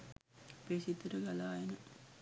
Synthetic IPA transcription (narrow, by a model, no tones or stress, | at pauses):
pesit̪ːəɾəɡalaːenə